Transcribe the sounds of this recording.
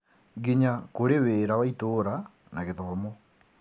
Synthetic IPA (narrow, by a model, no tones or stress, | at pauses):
ɡiɲakoɾeweɾawaitoɾa | naɣeðɔβamo